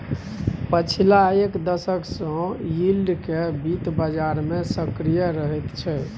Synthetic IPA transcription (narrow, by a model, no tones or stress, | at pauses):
pət͡ʃʰilaekd̪əsəksə̃jilɖkebit̪bəd͡ʒaɾmesəkɾijəɾəɦɛt̪t͡ʃʰɛ